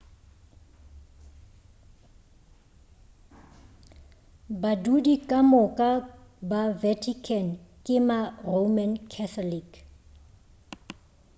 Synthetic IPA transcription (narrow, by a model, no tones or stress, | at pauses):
badudikʼamʊkʼabavɛtʰikʰɛnkʼɪmaromɛnkʰɛθʰɔlik